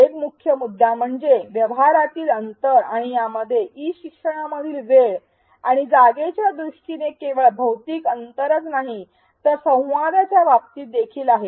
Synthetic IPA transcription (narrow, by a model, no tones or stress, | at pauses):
ekmukʰjəmud̪ʱːjam̤əɳd͡zeʋjəʋɦaɾat̪iːlənt̪əɾaɽ̃ijaməd̪ʱːjeʔiɕikʂəɽ̃aməd̪ʱiːlʋeɭ | aɽ̃id͡zaɡet͡ɕjad̪ɾuʂʈinekeʋəɭbʱəwt̪iːkənt̪əɾət͡snaɦi | t̪əɾsə̃w̃ʋad̪jat͡ɕjaʋapt̪iːt̚d̪ekʰiːlaɦe